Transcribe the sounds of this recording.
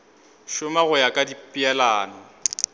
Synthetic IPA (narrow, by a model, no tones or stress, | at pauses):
ʃʊmaɣʊjakʼadipʼiɛlaːnɔ